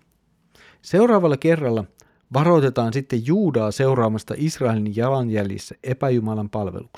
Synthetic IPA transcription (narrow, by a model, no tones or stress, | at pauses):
se̞wɾɑːʋɑlːɑke̞rːɑlːɑ | ʋɑɾo̞jt̪e̞t̪ɑːnsit̪ːe̞jjuːdɑːse̞wɾɑːmɑst̪ɑ̰ʔisrɑe̞linjɑlɑnjæljḛsːæʔe̞pæjumɑlɑmpɑlʋḛluks